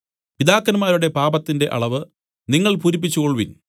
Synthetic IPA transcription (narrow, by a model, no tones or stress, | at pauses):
pid̪aːkːɐnmaːɾuɽe̞paːbɐt̪ːinde̞ʔɐ̰ɭɐʋɨ | niŋːɐɭpuɾipːit͡ɕːukoɭʋin